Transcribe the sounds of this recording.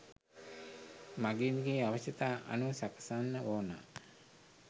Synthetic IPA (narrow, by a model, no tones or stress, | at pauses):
maɡenɡeːaʋəɕət̪aːʔa̰nusakə̥sanːəoːna̰ː